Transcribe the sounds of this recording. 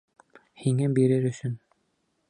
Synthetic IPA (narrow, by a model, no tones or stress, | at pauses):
hiŋæbiɾɘɾɵ̆sɵn